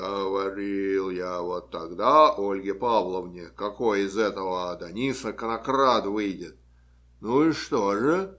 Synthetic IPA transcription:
ɡəvɐɾʲilˠjavot̪ːɐɡd̪aʔolʲɡʲɪpavlˠəvnʲɪkɐkojɪzɛt̪əvəd̪ɐnʲisəkənɐkrat̪vɨjdʲɪt̪̚ | nuɪʂt̪oʐɨ

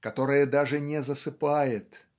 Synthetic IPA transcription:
kɐt̪o̞ɾɨjəd̪aʐɨnʲɛzəsɨpajɪt̪

